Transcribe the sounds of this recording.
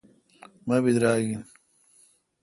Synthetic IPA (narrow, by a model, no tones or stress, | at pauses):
mɐbid̪ɾaːɡin